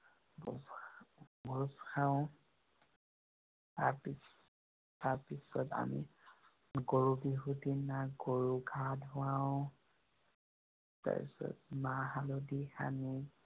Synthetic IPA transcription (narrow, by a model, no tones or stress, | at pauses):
bɔ | bɔsxaʊ̃ | taɹpis | taɹpisɔta̰mḭ | ɡoɹubiɦutinaɡoɹuɡʱadɦʊãwʊ̃ | ta̰pḭsɔ̰tmaɦalɔdixa̰ni